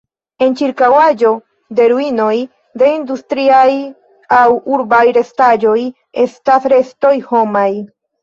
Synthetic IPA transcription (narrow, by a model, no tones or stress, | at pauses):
e̞nt͡ʃiɾkawad͡ʒo̞ | de̞ɾuino̞j | de̞industɾiaj | awuɾbajɾe̞stad͡ʒo̞j | e̞̰stasɾe̞sto̞jho̞maj